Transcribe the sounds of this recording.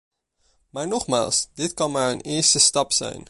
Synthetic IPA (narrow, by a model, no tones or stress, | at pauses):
maːɹnɔχma̰ːlˠsdɪtkɑnmaːɹə̰nɪːɹstəstɑpsɛ̰jn